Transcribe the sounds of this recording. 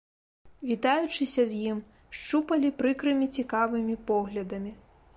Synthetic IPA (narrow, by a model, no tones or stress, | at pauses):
vʲit̪ajut͡ʂɨsʲɐzʲjim | ʂt͡ʂupɐlʲipɾɨkɾɨmʲit͡sʲikavɨmʲipɔɣlʲɐd̪ɐmʲi